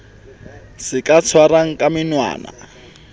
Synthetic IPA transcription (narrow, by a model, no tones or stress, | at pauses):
sɪkʼat͡sʰwaɾaŋ̩kʼamɪnwa̰ːna̰